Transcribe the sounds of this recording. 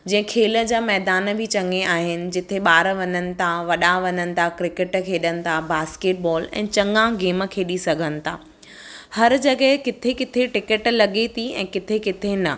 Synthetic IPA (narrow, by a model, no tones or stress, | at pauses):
d͡ʑɐ̃ɦɪ̃kʰeːlə̆d͡ʑaːmɛɦd̪aːn̆bʱɪt͡ɕɐ̃ŋɡeaːɦɪnɪ̆d͡ʑɪt̪ʰeɓaːɾəʋɐɲənɪ̆t̪ʰaʋɐɗaʋɐɲənɪ̆t̪ʰakɾɪkəʈkʰeːɗənɪ̆t̪ʰabaːskeːʈ̚bɔːlɛ̰̃ːt͡ɕɐ̃ŋɡãɡeːmə̆kʰeːɗisɐɡʱənɪ̆t̪ʰaː | hɐɾd͡ʑɐɠəɦkɪt̪ʰekɪt̪ʰeʈɪkəʈlɐɠet̪ʰiɛ̰̃ːkɪt̪ʰekɪt̪ʰenɐ